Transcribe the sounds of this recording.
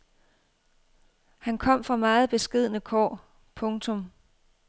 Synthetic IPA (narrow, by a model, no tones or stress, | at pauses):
hænkʰɒ̽m̰fʁɑ̈mɑ̈ːð̩ˠb̥e̝sɡ̥e̝ð̞̰ˠnəkʰɒ̰ː | pʰɔ̽ŋt͡sʰɔ̽m